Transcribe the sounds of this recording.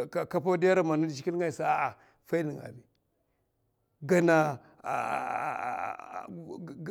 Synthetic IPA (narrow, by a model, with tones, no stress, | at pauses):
a˨ka˦pa˦di˦ja˦ɾa˨ma˨nu˦dt͡ʃi˦ki˦lŋɡa˨i˨sa˦a˨ʔa˨ | fa˦i˦ni˨ŋa̰˨bi˨ | ɡa˨na̰˨